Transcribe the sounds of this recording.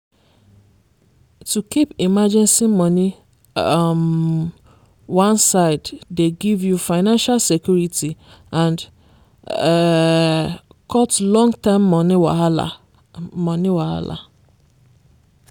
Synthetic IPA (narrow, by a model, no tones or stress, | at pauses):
tukipimad͡ʒɛ̃nsimɔni | m | wãnsaɪddeɡivjufaɪnãnʃalsekjuɹitiʔãnd | kʰɔtlɔ̃ŋɡtãɪmːɔniwaala̰ | mɔ̃niwaha̰la̰